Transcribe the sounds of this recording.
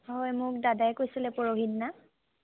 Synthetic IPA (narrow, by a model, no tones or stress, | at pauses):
ɦɔjmʊk̚dadajkojsilɛpɔɹoɦidna